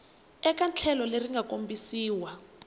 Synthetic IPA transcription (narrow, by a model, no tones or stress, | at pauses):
ɛk̬ant͡ɬʰɛlɔleriŋɡʱakombisiːwa